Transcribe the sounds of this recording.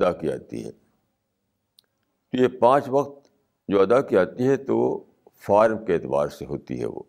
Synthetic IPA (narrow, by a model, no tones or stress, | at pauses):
ɐd̪akid͡ʒa̰ːt̪ḭɦɛ̰ | t̪ojepãːt͡ʃʋɐqt̪ | d͡ʒoːɐd̪akiaːt̪iɦɛt̪o | faːɾmkeeːt̪ɪba̰ːɾseɦoːt̪ḭɦɛ̰ʋo̰ː